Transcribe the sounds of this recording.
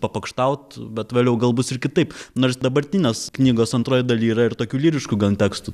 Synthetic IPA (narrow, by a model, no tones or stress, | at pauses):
pɐpɐkʃt̪ɐʊt̪bʲɛt̪ʋʲeːlʲjɛʊɡɐlˠbʊsɪɾkʲɪt̪ɐɪpnoːɾsd̪ɐbɐɾʲt̪ʲɪnʲeːsknʲiːɡoːsɐnt̪ɾoːjd̪ɐlʲiːɾɐɪɾt̪oːkʲuːlʲiːɾʲɪʃkuːɡɐlʲˠt̪ʲæːkst̪u